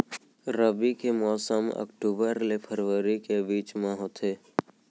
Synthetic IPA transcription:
ɾəbikemɔːsəmə̰kʈuːbəɾlepʰəɾʋəɾikebiːt͡ʃmãɦot̪ʰeː

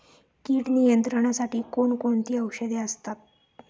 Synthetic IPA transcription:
kiːʈnijənt̪ɾəɳ̃asaʈiːkoɳkoɳt̪iːəwʂəd̪eəst̪at̪̚

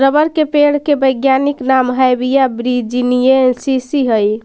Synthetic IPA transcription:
ɾəbəɾkepeɽ̤kebəjɡjaniknamɦajbijabɾid͡ʒinijensisiɦəj

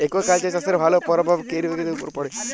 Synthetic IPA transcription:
ekokalt͡ʃasaseɾbʱalopɔɾɔbʱaʋkeɾiʋeɡet̪eupɔɾpɔɽe

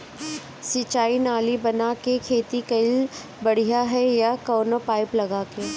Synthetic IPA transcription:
sit͡ʃaːinaːlibɐnakekʰeːt̪ikɐɪl | bɐɽ̤ijaɦɛjakoːnopaːɪplɐɡaːke

